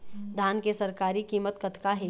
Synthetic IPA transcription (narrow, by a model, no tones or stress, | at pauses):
d̪ʱaːnkesɐɾkaːɾikiːmət̪kɐt̪kaɦeː